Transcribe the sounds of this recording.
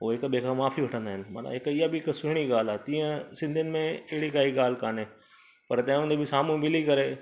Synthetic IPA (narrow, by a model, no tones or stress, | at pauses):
ɦoːɦɪkbekʰãmaːfʰiʋɐʈʰə̃nd̪aːɦɪnɪ̆ma̰na̰ɦɪkɪjabʱɪɪksʊɦɪɽ̃iɠaːl̤aːt̪ĩːə̃sɪ̃nd̪ʱiənɪ̆mẽɪɦɪɽikaːiɠaːl̤kaːneː | pɐɾt̪ɐ̃ẽʊ̃nd̪ebʱɪsaːmũmɪlikɐɾeː